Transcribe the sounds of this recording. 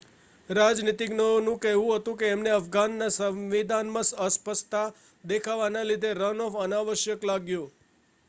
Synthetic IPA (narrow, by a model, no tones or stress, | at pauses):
ɾad͡ʒnit̪iɡnəonũkɛɦɦũɦət̪ũkeːmneəfɡanːasəmʋid̪ʱanmãsəspəst̪a | d̪ekʰaʋanalid̪ʱeɾənɔfənaʋəʃjəklaɡjo